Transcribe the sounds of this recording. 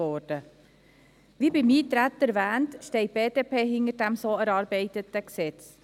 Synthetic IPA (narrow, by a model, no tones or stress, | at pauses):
ɔdə | ʋiːbimiːtɾæt̪æɾʋæːntʃteɪb̥eːdeːpeːɦɪŋəɾdæmsoːæɾɑːɾbeɪt̪ət̪əksɛt͡s